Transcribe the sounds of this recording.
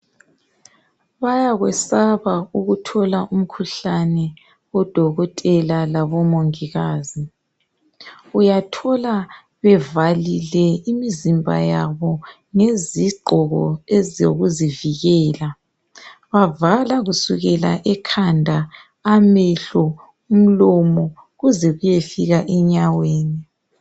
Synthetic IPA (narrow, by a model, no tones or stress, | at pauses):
βajaɣwɛsaβauɣutʰɔlaʔum̩kʰuɬanɛ | wɔd̥ʱɔɣɔtʼɛlalaβɔmoŋiɣaːzi | ujatʰɔla | βɛvalilɛimizimbʱa̰jaβɔ | ŋeziɡ͡ǃʱɔɣɔ̰ezjo̰ɣuziviɣɛːla | βavalaɣusuɣɛla̰ʔɛkʰandʱaː | mɛɬɔ | um̩lɔmɔ | ɣuzɛɣujefiɣaʔɛɲaweːni